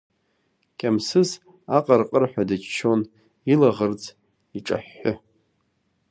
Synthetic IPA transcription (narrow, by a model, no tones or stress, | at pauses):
kʲʼamsɨz | aqʼarqʼərħʷᶣadɨt͡ʃt͡ʃʰo̞n | ilaʁərd͡z | iʈ͡ʂʼa̰ħːʊ